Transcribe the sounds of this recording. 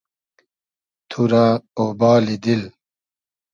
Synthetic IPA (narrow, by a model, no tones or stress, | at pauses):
t̪ʰuɾaobaːlid̪il